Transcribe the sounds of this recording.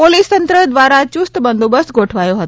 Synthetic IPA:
polist̪ənt̪ɾəd̪ʋaɾat͡ɕust̪əbənd̪ubəst̪ɡʱoʈʰʋajoɦət̪o

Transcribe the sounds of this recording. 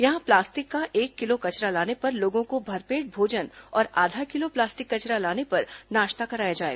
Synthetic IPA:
jɐɦãplaːsʈɪkːaʔeːkːɪlokɐt͡ʃɾalaːnepɐɾloːɡõkobʱɐɾpeːʈ̚bʱoːd͡ʒən | ɔːɾaːd̪ʱakɪloplaːsʈɪkːɐt͡ʃɾalaːnepɐɾnaːʃt̪akɐɾaːjad͡ʒaːḛːɡ

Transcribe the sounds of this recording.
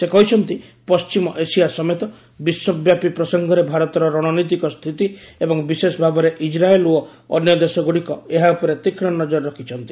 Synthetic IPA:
sekɔɦit͡ʃʰɔnt̪ipɔst͡ʃimɔʔesijasɔmet̪ɔ | biswɔbjapipɾɔsɔŋɡʱɔɾebʱaɾɔt̪ɔɾɔɾɔɽ̃ɔnɔjt̪̬ikɔst̪ʰit̪iebɔŋbisesɔbʱabɔɾeʔid͡ʒɾaeluɔ | ɔ̰njɔd̪esɔɡuɽikɔeɦaupɔɾet̪ikʰɽ̃ɔnːɔd͡ʒɔɾɾɔkʰit͡ʃʰɔnt̪i̥

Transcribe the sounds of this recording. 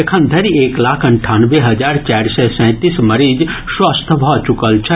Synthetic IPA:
ekʰə̃nd̪ʱɐɾieːklaːkʰɐɳʈʰaːnʋeɦɐd͡ʒaːɾt͡ʃaːɾsɛsɛ̃ːt̪iːsmɐɾiːd͡ʒswast̪ʰbʱɔt͡ʃukəlt͡ʃʰɛ

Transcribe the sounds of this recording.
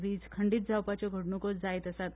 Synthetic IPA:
ɾiːd͡zkʰəɳɖiːt̪̚d͡zʱawpat͡ɕjɔɡʱəɽnukɔd͡zajt̪əsat̪

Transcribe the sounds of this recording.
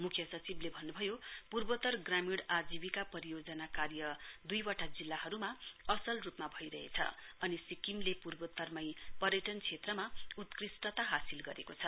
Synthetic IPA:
mukʰjʌsʌt͡siblebʱʌnːubʱʌjopurbʌt̪ʌrɡramiɽad͡zibikapʌɾijod͡zʌnakarjʌd̪ujwaʈad͡zilːaɦʌɾumaʌsʌlrupmabʱʌjɾʌɦḛt͡sʰʌ̰ʌnisikimlepurbʌt̪ʌrmʌjpʌrjʌʈʌnt͡sʰet̪rʌmaut̪krisʈʌt̪aɦasilɡʌɾḛkot͡sʰʌ

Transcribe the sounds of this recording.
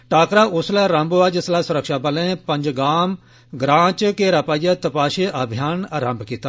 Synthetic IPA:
ʈaːkɾaːʔʊslɛːɾə̃mboːaːd͡ʒɪslɛːsʊɾəkʃaːbəlẽːpə̃ɲd͡ʒɡaːm | ɡɾãːt͡ʃkeːɾapaːijaːt̪əpaːʃeːʔəbʱɪjaːnɾə̃mbkiːt̪aː

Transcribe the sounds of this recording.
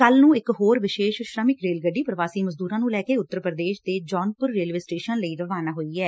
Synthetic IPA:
kəlnũːɪkɦoːɾʋɪʃeːʃʃɾəmɪkɾeːlɡəɖːiːpɾəʋaːsiːməzd̪uːɾãːnũːlɛːkeːʊt̪ːəɾpɾəd̪eːʃd̪eːd͡ʒɔːnpʊɾːeːlʋeːsʈeːʃənləiːɾəʋaːnaːɦoːiːɛː

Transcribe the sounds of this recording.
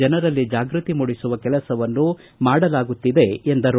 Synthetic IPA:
ɐnɐɾɐlːid͡ʒaːɡɾut̪imuɽisuʋɐkɛlɐsɐʋɐnːu | maːɽɐlaːɡut̪ːid̪e̞end̪ɐɾ

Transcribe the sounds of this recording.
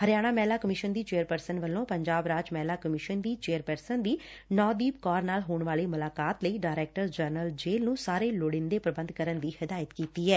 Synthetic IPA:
həɾjaːɽ̃aːmɛːlaːkəmɪʃənd̪iːt͡ʃeːəɾpəɾsənʋəlːõːpəɲd͡ʒaːbɾaːd͡ʒmɛːlaːkəmɪʃənd̪iːt͡ʃeːəɾpəɾsənd̪iː | nɔːd̪iːpkɔːɾnaːlɦoːɳʋaːleːmʊlaːkaːt̪ləiːɖaːɪɾɛːk̚ʈəɾd͡ʒəɾnəld͡ʒeːlnũːsaːɾeːloɽɪnd̪eːpɾəbə̃nd̪kəɾənd̪iːhɪd̪aːjət̪kiːt̪iːɦɛː

